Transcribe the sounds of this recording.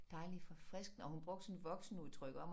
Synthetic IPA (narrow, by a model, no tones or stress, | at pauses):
d̥ɑ̈ɪlifɒ̽fʁɛsɡ̥n̩ɒ̽hunb̥ʁɔɡ̥̚d̥snʋɒ̽ɡ̥sn̩uð̰ˠt͡sʰʁœɡ̥ɒ̽m